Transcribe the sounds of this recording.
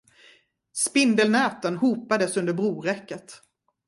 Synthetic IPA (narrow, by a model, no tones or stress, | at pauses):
spɪnd̪əlnɛːt̪ənɦuːpad̪əsɵnd̪əɾbɾuːɾɛkːət̪